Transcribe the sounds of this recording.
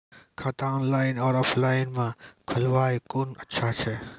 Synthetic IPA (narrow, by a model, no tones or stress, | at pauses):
kʰaːt̪anlainɔːɾɔːfʰlaɪnmãkʰəlʋajkunətːʃʰat͡ʃʰe